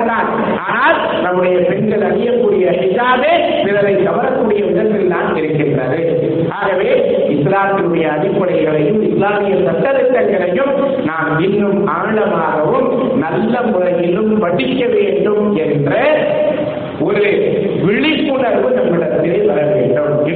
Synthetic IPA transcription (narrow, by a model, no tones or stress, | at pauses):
naːl | aːnaːl | nɐmːɯɽɐjɐpɛɳɡɐɭɐɽɪjɐkːuːɽɪjɐhɪðaːbe | pɪɾɐɾɐɪk̪ɐʋɐɾɐkːuːɽɪjɐʋɪnɐt̪ːɪlːaːnɪɾɯkːɪndrɐðɯ | ʔaːɣɐʋeː | ɪslaːt̪ːɪnɯɽɐjɐːɽɪpːɐɽɐɪɣɐɭɐjɯmɪslaːmɪjɐsɐʈːɐðɐʈːɐŋɡɐɭɐjɯm | naːmɪnːɯmʔaːɭɐmaːɣɐʋɯm | nɐlːɐmʊrɐjɪlɯmʋɐɽɪkːɐʋeːɳɖɯmʔɛndrɐ | ʔɔɾɯ | ʋɪɻɪpːʊɳɐɾʋɯnɐmːɯɭɐɾt̪ːɪleːʋɐɾɐʋeːɳɖɯm